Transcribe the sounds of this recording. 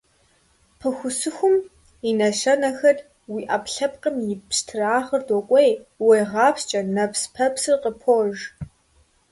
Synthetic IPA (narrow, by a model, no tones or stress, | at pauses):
pʰɨxʷʊsɨxʷʊm | inɐʃɐnɐxɐr | wiːʔapɬɐp̚qəmjɪpstʰɨraːʁɐrdɔkʷʼejwejʁɑːpst͡ʃʼɐnɐpspʰɐpsɨrqəpʰoːʒ